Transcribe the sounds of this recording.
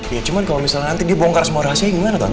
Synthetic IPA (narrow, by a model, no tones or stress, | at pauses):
jat͡ʃumankalomisalnant̪idiabɔŋkarsəmuaɾaɦasiaiŋəŋanat̪o̰